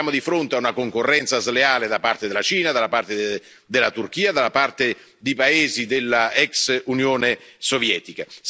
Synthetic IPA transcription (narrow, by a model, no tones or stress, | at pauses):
aːmod̪ifɾont̪eaunakoŋkorːɛnt̪sazleaːled̪apart̪ed̪elːat͡ʃiːnad̪alːapart̪e | d̪elat̪urk̟iːad̪alːapart̪e | d̪ejpaeːzid̪elːaɛksunjoːnesovjɛːt̪ikas